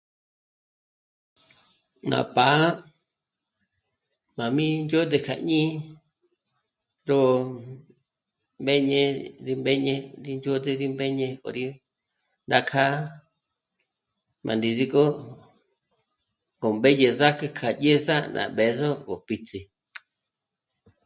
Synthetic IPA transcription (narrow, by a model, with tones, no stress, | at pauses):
nã̰˨pa˨˦ | mã˨mĩ˦nd͡ʒo˦d̪e˧kʰa̰˨ɲĩː˦ | ɾo˦˧ | mbe˦ɲẽ˧ði˧mbe˦ɲẽ˧ɾi˧nd͡ʒo˦d̪e˧ði˦mbe˦ɲẽ˧o̰˨ɾi˦ | nd̪a˦kʰa˦ | mʔã̰˨nd̪i˧ði˧ko˦ | ŋɡo˨mbe˦je˧za˦ke˧kʰa˨je˦za˦nã̰˨be˨zo˦βo˨pi˧t͡si˧